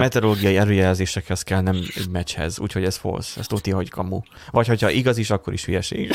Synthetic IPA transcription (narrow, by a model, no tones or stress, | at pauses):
mɛt̪ɛɾoloːɡijɒiɛløːjɛlzeːʃɛkhɛzkɛlnɛmɛ̰ɟmɛchɛ̰zṵːcho̞ɟɛz̥fo̰sɛ̰st̪ot̪jɒɦo̞ckɒmu | vɒcho̞cʰɒʔiɡɒziʃɒkːo̞ɾḭʃʋyjɛʃḛːɡ